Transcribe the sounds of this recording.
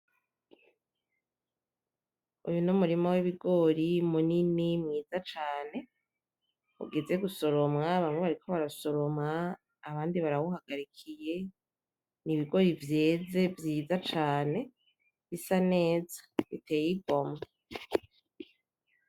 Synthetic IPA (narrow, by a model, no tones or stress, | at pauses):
ṵjunumuɾimowiβiɡo̞ɾimuninimŋiːzat͡ʃaːne̞ | ṵɡe̞ze̞ɡuso̞ɾo̞mŋaβamŋwe̞βaɾikʰo̞βaɾaso̞ɾomŋaː | βaːndiβaɾawuhaɡ̥aɾikʰije̞ | niβiɡo̞ɾivje̞ːze̞vjiːzat͡ʃaːne̞ | βisane̞ːzḁβitʰe̞ːjiɡo̞ma